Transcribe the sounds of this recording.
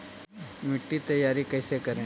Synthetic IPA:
mɪʈːit̪ɐjːaːɾikɐːsekɐɾẽː

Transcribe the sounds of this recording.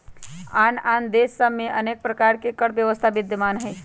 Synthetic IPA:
aːnaːnd̪esːəbmeʔəneːk̚pɾəkaɾkekəɽbjəʋəst̪ʰabɪd̪əmaːnɦə

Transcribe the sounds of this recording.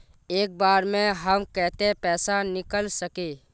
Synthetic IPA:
eːk̚baːɾmẽɦəmkɛɦt̪epɛːsanɪkəlsəkeː

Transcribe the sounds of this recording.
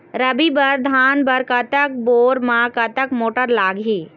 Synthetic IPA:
ɾɐbibɐɾd̪ʱaːnbɐɾkɐt̪ək̚boːɾmãːkɐt̪əkmoːʈəɾlaːɡiː

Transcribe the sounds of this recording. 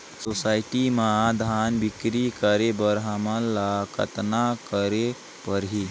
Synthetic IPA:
sosaːɪʈimãd̪ʱaːnbikɾikəɾebəɾɦamalːakə̰t̪nakəɾe | pəɾɦi

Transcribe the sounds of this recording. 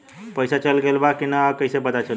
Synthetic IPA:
pəjsat͡ʃəlɡelbakinakəjsebəd̪at͡ʃəl

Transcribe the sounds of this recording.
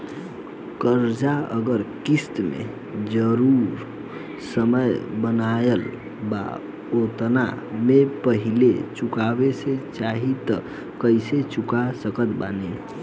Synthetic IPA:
kəɾd͡ʒaə̰ɡəɾkist̪mḛ | d͡ʒəɾuɾ | səməjbənaəl | ba̰ | ot̪na̰mepəɦilet͡ʃukabeset͡ʃaɦit̪ə | kəɪset͡ʃukasəkət̪ba̰ne

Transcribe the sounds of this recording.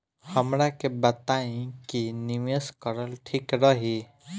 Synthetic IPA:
həmɾakebət̪aĩkinimeskəɾəlʈʰikɾəɦi

